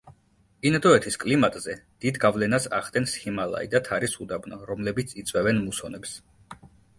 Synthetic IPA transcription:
inad̪ɔɛt̪ʰiskʼlimat̪ʼzɛd̪̥id̪ɡavlɛnasa̰χd̪ʼɛnsχimalˠa̰id̪at̪ʰaɾisud̪abnɔɾɔmlɛbit̪sʰit̪sʼwɛvɛnmusɔnɛps

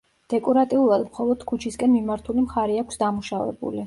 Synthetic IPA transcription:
d̪̥ɛkʼɔɾat̪ʼiulˠad̪mχɔlˠɔd̪̥kʰut͡ʃʰiskʼɛnmimaɾt̪ʰulimχaɾɛakʷʰsd̪amuʃavɛ̰bṵli

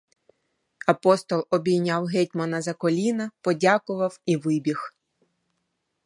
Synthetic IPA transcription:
ɐpɔst̪ɔlˠɔbʲijnʲawɦɛt̚ʲmɐnɐzɐkɔlʲinɐpɔdʲakʊʋɐwiʋɪbʲix

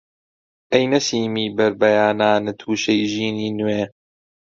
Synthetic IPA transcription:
ʔɐjnɐsiːmiːbɐɾbɐjaːnaːnɨt̪ʰuːʃejʒiːniːnweː

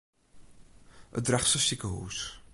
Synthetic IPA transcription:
ʔə̰t̚drɛχsəsikəɦṵːs

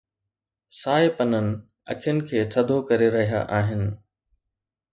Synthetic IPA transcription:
saːepɐnənɪ̆ | ɐ̰kʰijənɪ̆kʰeːt̪ʰɐd̪ʱokɐɾeɾɐɦija̰ʔaːɦɪnɪ̆

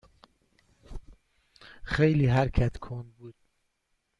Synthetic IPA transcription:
xejliːɦæɾkʰæt̪kʰond̪̚buːd̪̥̚

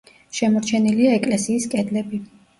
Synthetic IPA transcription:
ʃɛmɔɾt͡ʃʰɛniliaɛkʼlɛsiːskʼɛd̪lɛbi

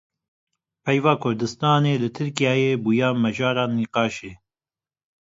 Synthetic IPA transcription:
pʰɛjvɑːkʰʊɾd̪ɨst̪ɑːneːlɨt̪ʰɨɾkijɑːjeːbuːjɑːmɛʒɑːɾɑːnːiːqɑːʃeː

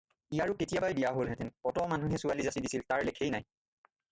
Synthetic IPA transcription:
ijaɹuketijabajbijaɦolɦɛtɛnpɔtɔmanuɦɛsualizasidisiltaɹlekʰejnaj

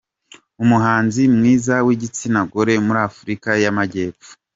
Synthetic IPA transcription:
umuɦaːnzimŋiːzawiɟit͡sinaɡoɾe̞muɾaːfuɾikajamaɟe̞ːpfu̥

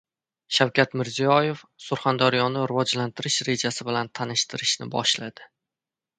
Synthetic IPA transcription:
ʃawkʲat̪mɪɾzijɒje̞fsʊɾχand̪aɾjɒnɪɾɪvɒd͡ʒlant̪ʰɪɾɪʃɾe̞d͡ʒasɪbɪlant̪ʰanɪʃt̪ʰɪɾɪʃnɪbɒ̰ʃlad̪̥ɪ

